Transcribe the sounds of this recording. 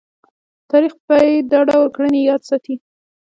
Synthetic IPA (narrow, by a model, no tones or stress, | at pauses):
t̪ɑɾixbaed̪ɑɖawɾkɽənejɑd̪sɑt̪i